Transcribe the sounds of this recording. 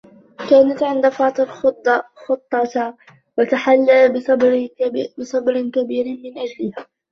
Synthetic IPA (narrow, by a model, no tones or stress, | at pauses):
kaːnat̪ʕɪnd̪afɑːt̪ˤɨlxʊt̪ˤːɑxʊt̪ˤːɑt̪ | wat̪aħalːabsbɾbɪsˤɑbɾɪnkabiːɾmɪnʔad͡ʒlɪhaː